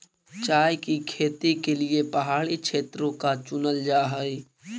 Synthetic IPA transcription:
t͡ʃaːjkikʰeːt̪ikeliepɐɦaːɭikʃʰeːt̪ɾõkat͡ʃʊnəld͡ʒaːɦəe

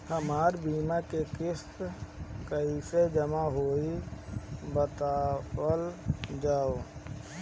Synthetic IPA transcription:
həmaːɾbiːmakekɪst̪kəised͡ʒəmaɦoːi | bət̪aːəld͡ʒaːoː

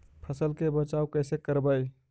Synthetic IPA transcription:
pʰəsəlkebət͡ʃaukəjsekəɾbəj

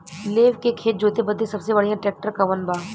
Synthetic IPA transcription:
leːʋkekʰeːt̪̚d͡ʒoːt̪ebəd̪ẽsɐbsebɐɽijãʈɛːk̚ʈəɾkɐʋənbaː

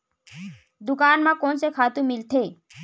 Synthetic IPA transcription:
d̪ʊkaːnmãkoːnsekʰaːt̪ũmɪlt̪ʰeː

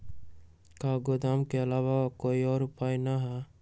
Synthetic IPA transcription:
kaːɡod̪aːmkeɐlaːwakoːiɔːɾʊpaːjnaɦɛ

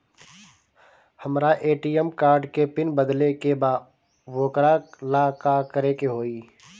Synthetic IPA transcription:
həmɾaʔeːʈiɛmkaːɾɖkepɪnbəd̪lekebaː | ʋoːkɾalakakəɾekeɦoːiː

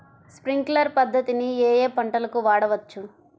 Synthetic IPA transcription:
spɾiŋklɐɾpɐd̪ʱːɐt̪inieːjeːpɐɳʈɐlɐkuʋaːɽɐʋɐt͡ʃːu

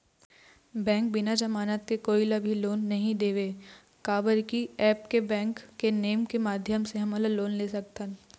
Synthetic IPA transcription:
bɛ̃ːŋk̚bɪnad͡ʒɐmaːnət̪̚kekoːilɐbʱiloːnːɐɦĩd̪eːʋeː | kaːbəɾkiɛːp̚kebɛ̃ːŋkːeneːmkemaːd̪ʱjəmseɦɐmələloːnleːsɐk̚t̪ən

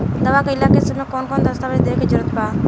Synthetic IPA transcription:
d̪əʋaːkeɪlaːkeːsəmẽːkoːnkoːnd̪əst̪aːʋid̪eːked͡ʒəɾət̪baː

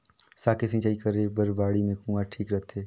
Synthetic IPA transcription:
saːkesɪ̃nt͡ʃaːikəɾebəɾbaːɽimẽkũːaʈʰiːkɾət̪ʰeː

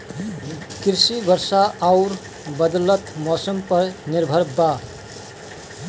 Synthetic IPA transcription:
kiɾsibəɾsaʔaʊɾ | bəd̪lət̪mɔːsəmpəɾniɾbʱəɾba

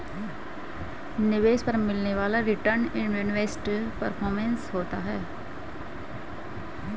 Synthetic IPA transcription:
nɪʋeːʃpɐɾmɪlneʋaːlaɾɪʈəɾnɪɳunʋeːsʈpəɾpʰɔːɾmɛ̃nsɦoːt̪aɦɛː

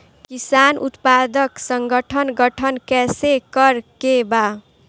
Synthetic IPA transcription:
kisanṵt̪pad̪ʌksʌŋɡʌʈʰʌnɡʌʈʰʌnkɛsekʌɾkeba

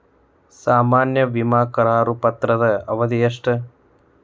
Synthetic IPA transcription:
saːmaːnjɐʋimaːkɐɾaːɾupɐt̪ɾɐd̪ɐɐʋɐd̪ijɐʂʈɐ

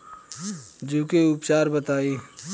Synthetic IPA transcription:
d͡ʒuːkeʊpt͡ʃaːɾbət̪aːiː

